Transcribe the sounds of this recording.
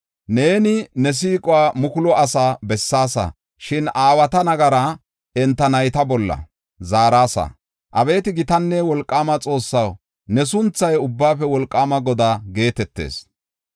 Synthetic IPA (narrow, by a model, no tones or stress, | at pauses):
ne̞ːnɪnɛs̬iːkʼʊwaːmʊkʊlɔʔɐsaːbɛsːaːsɐ̰ | ʃɪnaːwɐt̪ɐnɐɡɐɾɐ | ɛnt̪ːɐnɐjt̪ɐbɔlːɐ̰ | zaːɾaːsɐ̰ | ʔɐbe̞ːt̪ɪɡɪt̪ɐnːɛwɔlkʼːaːmɐt͡sʼo̞ːsːɐw | nɛsʊnt͡sːɐjʊbːaːfɛwɔlkʼːaːmɐɡɔd̪aːɡe̞ːt̪ɛt̪ːḛːs